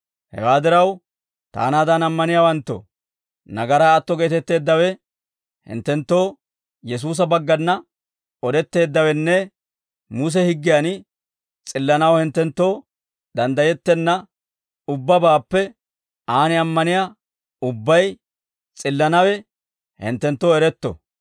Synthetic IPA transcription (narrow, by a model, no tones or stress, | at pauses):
hɛ̰waːd̪ɪɾɐw | t̪a̰ːnaːd̪ɐnɐmːɐnɪjaːwɐnt̪ːɔ̰ | nɐɡɐɾɐɐt̪ːɔɡeːt̪ɛt̪ːe̞ːd̪ːɐwɛ | hɪ̰nt̪ːɛnt̪ːo̞ː | jɛs̬uːs̬ɐbɐɡːɐnːɐ | ɔd̪ɛt̪ːe̞ːd̪ːɐwɛnːɛ | mʊs̬ɛhɪɡːɪjan | t͡sʼɪlːɐnɐwhɪnt̪ːɛnt̪ːo̞ː | d̪ɐnd̪ɐjɛt̪ːɛnːɐ | ʊbːɐbaːpːɛ | aːnɪɐmːɐnɪja | ʊbːɐj | t͡sʼɪlːɐnɐwɛ | hɪ̰nt̪ːɛnt̪ːoːɛɾɛt̪ːɔ̰